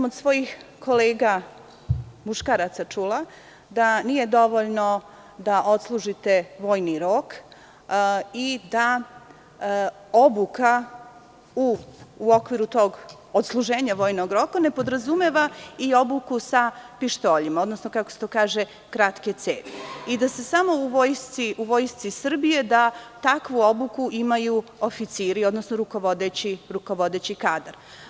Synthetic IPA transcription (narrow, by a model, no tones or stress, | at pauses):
mod̪sʋo̞jixko̞leːɡa | muʃkaːɾat̪sat͡ʃula | d̪anije̞d̪o̞ʋo̞ʎno̞ | d̪aʔo̞t̪slˠuʒit̪e̞ʋo̞ːjniɾo̞k | id̪a | obuka | uːo̞kʋiɾut̪o̞ɡ | ot̪slˠuʒeːɲaʋo̞ːjnoɡɾo̞kane̞pod̪ɾazumeʋaio̞bukusapiʃt̪o̞ːʎimao̞d̪no̞snokakoset̪o̞ːkaːʒe | kɾat̪ke̞t̪seːt̪eid̪ase̞samo̞uʋojst̪siuʋo̞jst̪sisr̩bije̞d̪at̪akʋuo̞bukuʔimajuofit̪siːɾio̞d̪nosnoɾukoʋo̞d̪et͡ɕiɾuko̞ʋo̞d̪et͡ɕikaːd̪aɾ